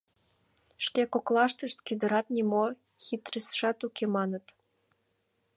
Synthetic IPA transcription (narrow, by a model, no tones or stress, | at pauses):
ʃkekoklɑʃt̪əʃt̪kyd̪ə̆ɾɑt̪̚nimo | xit̪rəsʃɑt̪ukemɑnət̪